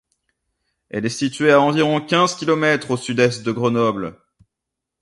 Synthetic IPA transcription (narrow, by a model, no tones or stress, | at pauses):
ɛ̰lɛsit̪ɥeaɑ̃viʁɔ̃kʲɛ̃zkʲilɔmɛt̪χosyd̪ɛst̪̚d̪əɡʁənɔbl